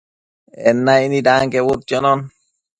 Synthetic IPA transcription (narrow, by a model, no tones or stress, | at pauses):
ɛnːainidaŋkɛwot̪ːjɔnɔn